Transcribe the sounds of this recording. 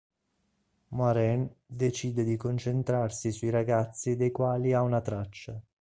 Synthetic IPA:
maɾɛnd̪et͡ʃiːd̪ed̪ikont͡ʃent̪ɾarsisuiɾaɡat̪sːid̪ejkwaːliaunat̪ɾat͡ʃːa

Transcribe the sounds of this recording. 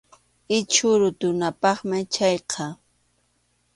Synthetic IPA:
ɪt͡ʃʊɾʊt̪ʊnapɑχmɪt͡ʃɑjqʰɑ

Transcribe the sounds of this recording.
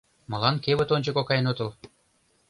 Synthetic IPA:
mɤ̆lɑnkeβɘ̆t̪onʲd͡ʑɤ̆kokɑjenot̪ɤ̆lˠ

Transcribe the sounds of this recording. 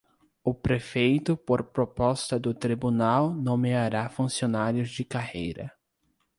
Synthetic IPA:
ʊpɾefejt̪ʊpoɾpɾopɔst̪ɐd̪ʊt̪ɾibunawnõmeaɾafũsionaɾjʊzd͡ʒɪkahejɾɐ̰

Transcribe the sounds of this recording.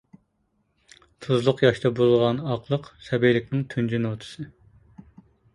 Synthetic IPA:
t̪ʰuzlˠʊqjɑʃt̪ɑbolˠʁɑnɑqlˠəqsɛbejlɪkʲnɪŋt̪ʰynd͡ʒynot̪ʰɨ̥sɨ

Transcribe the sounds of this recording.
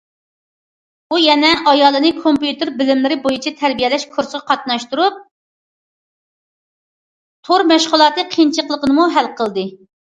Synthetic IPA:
ujɛnɛʔɑjɑːlˠɨnɨkʰompjut̪ɨɾbɪlɪmlɪɾɪbojut͡ʃʰɛt̪ʰæɾbijɛlɛʃkʰoɾsʁɑqʰɑt̪nɑʃt̪uɾup̚ | t̪ʰoɾmɛʃʁʊlˠɑːt̪ɨqʰint͡ʃʰəqlˠəqənɨmuɦælqʰəlˠd̪ɨ

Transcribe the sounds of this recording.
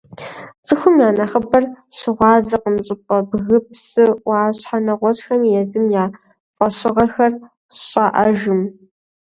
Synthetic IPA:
t͡sʼɨxʷʊmjaːnɐχəbɐrɕɪʁʷɑːzɐqəmɕʼɪpʼɐbɣɨpsɨwʷɑːɕħanɐʁʷɔɕʼxɐmjɛzɨmjaː | fʼɐɕɪʁɐxɐr | ɕʼaʔɐʒɨm

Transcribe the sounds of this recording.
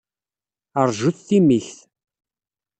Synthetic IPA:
əɾˤʒuθːimiçθ

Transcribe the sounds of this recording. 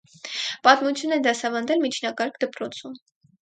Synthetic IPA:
pɑt̪mut͡sʰjunɛd̪ɑsɑvɑnd̪ɛlmit͡ʃʰnɑkɑɾkʰd̪əpɾɔt͡sʰum

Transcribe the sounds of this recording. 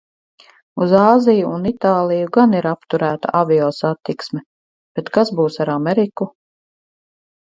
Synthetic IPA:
uzaːzijuunit̪aːlˠijuɡaniɾapt̪uɾæːt̪a̰ʔaviɔːsat̪ːiksmɛ | b̥et̪kasbuːsaɾamɛɾiku

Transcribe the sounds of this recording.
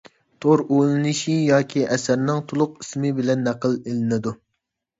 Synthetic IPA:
t̪ʰoɾolˠɨnɨʃijɑːkʲʰiʔɛsæɾnɪŋt̪ʰolˠʊqismɪbɪlɛnːɛqəlˠelɪnɪd̪u

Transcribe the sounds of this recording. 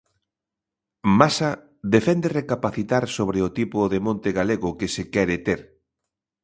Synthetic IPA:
masa | ðefɛnd̪erekapaθit̪aɾsoβɾɪot̪ipʊðemõnt̪ɪɣaleɣʊkɪsɪkɛɾɪt̪eɾ

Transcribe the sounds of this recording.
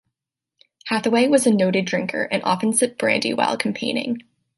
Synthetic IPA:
hæθəweɪwʌzɨnoʊɾɨdɹɪ̃ŋkʰə̰˞ʔɨ̃nʔɑ̰pɨ̃n̩sɨt̚b̥ɹæ̰̃ndḭwa̰ɪlˠkʰm̩pʰẽɪ̃nɪ̰̃ŋ

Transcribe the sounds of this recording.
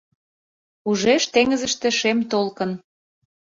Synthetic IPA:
uʒeʃt̪eŋəzə̆ʃt̪ĕʃemt̪olkə̆n

